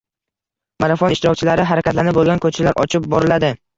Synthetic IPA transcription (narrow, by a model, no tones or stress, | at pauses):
maɾafonɪʃt̪ɪɾɒk̚ʲt͡ʃʰɪlaɾɪɦaɾakʲat̪lanɪp̚bolˠɡʲankʰɵt͡ʃʰɪlaɾʔɒ̰t͡ʃʰɪp̚bɒɾɪlad̪ɪ